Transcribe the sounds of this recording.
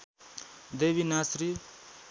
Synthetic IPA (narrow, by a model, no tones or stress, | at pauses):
d̪eːʋinasɾi